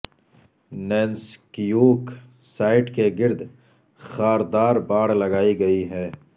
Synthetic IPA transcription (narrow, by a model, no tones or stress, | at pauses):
nɛːnskijuːk | saːɪʈkeɡɪɾd̪ | xaːɾd̪aːɾbaːɽlɐɡaːiɡɐiɦɛː